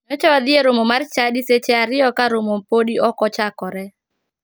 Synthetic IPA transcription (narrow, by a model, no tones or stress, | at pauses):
nɔt͡ʃɔad̪ɪeɾomomart͡ʃadiset͡ʃeaɾɪjɔkaɾomopodiɔkɔt͡ʃakɔɾɛ